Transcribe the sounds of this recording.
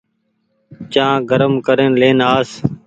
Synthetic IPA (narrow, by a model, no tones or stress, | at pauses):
t͡ʃãːɡəɾəmkəɾeːnleːnaːs